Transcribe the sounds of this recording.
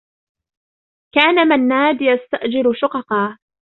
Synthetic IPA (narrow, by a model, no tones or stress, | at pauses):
kaːnamanːaːd̪jast̪aʔd͡ʒɪɾʃʊqɑqɑː